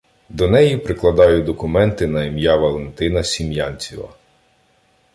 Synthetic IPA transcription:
d̪ɔnɛjipɾɪklˠɐd̪ɑjʊd̪ɔkʊmɛnt̪ɪnɐimjaʋɐlˠent̪ɪnɐsʲimjanʲt͡sʲiʋɐ̰

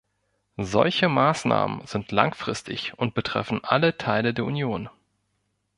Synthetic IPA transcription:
zɔ̰lçəmaːsna̰ːmə̰nz̥ɪntʰla̰ŋfʁ̥ɪstʰɪ̰çʔʊnt̚b̥ətʁ̥ɛ̰fn̩ʔalətʰaɪlədeːɐʔunjoːn

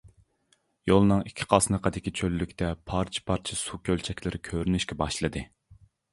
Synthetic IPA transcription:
jolˠnɨŋikʲʰːi̥qʰɑsnəqʰəd̪ɪkʲit͡ʃʰølːykʲt̪ʰɛpʰɑɾt͡ʃʰi̥pʰɑɾt͡ʃʰisukʲʰølt͡ʃʰɛkʲlɪɾʔɪkʲʰøɾynyʃkʲɛbɑʃlˠɨd̪ɨ

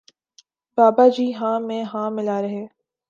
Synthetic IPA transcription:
baːbad͡ʒiːɦãːmẽɦãːmɪlaːɾɐɦeː

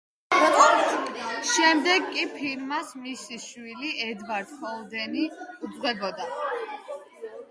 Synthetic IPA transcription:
ʃɛmd̪ɛɡkʼːipʰiɾmasmisiʃwiliʔɛd̪vaɾt̪ʰmɔlˠd̪ɛniud̪zʁwɛbɔd̪a

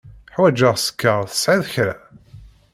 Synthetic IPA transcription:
ħwæd͡ʒəʁsə̥kːaʁθə̥sʕiðçɾæ̰

